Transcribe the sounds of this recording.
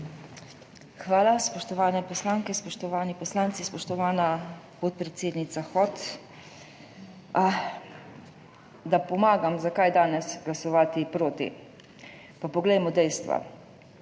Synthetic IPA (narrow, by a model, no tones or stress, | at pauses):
xʋaːlaspɔʃt̪ɔʋaːnɛpɔslaːŋkɛspɔʃt̪ɔʋaːnipɔslaːnt̪sispɔʃt̪ɔʋaːna | pot̪̚pɾɛt̪seːd̪nit̪saxɔt̪ | d̪apɔmaːɡamzakajd̪aːnɛsɡlasɔʋaːt̪ipɾoːt̪ḭ | papɔɡlɛjmɔd̪ɛjst̪ʋa̰